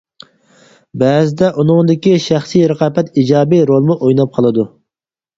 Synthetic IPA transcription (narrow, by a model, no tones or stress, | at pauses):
bɛːzɪd̪ɛʔunɨŋd̪ɪkʲiʃæχsijɾəqɑbɛt̪id͡ʒɑːbiɾolˠmuʔojnɑp̚qʰɑlˠɨd̪u